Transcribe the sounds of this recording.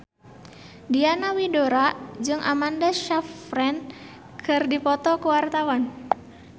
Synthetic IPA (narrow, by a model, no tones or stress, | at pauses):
dianawidoɾaʔd͡ʒɨŋʔamandaʃafɾɛn | kʰɨrdipɔt̪ɔkuwart̪awan